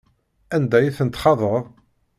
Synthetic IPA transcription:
ænd̪æjiθənt̪χɑðˤəɾˤ

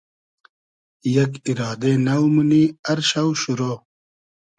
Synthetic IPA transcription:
jɐkiɾaːd̪enɐwmuniɐɾɕɐwɕuɾoː

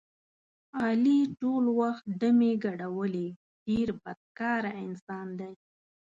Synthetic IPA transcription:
ɑliʈolwaxt̪̚ɖəmeɡaɽawəle | ɖeɾbad̪̥̚kɑɾaɪnsɑnd̪aj

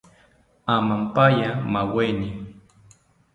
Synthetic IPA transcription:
amampajamaweni

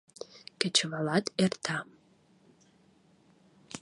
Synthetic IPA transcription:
kʲet͡ʃʰɨvalatʼertʰa

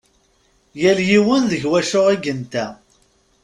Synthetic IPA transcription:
jæljiwənðəʝwæʃʊʁiɡənt̪æ

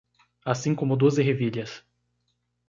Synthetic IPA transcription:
asĩkõmʊd̪ozɪɦeviʎʲɐs

